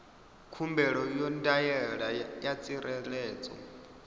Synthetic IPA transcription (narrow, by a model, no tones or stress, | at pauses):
kʰumbɛɺɔjɔndajɛɺajat͡sʼiɾʔɛlɛːt͡sʼɔ̰